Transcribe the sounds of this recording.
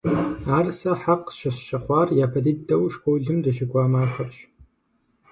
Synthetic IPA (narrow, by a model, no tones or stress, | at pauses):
aːrsɐħaqʃɐsʃɐχʷɑːrjaːpʰɐdiddɐwʃkʷʰowɮɨmdɐʃɪɡʷɑːmaːxɐrɕ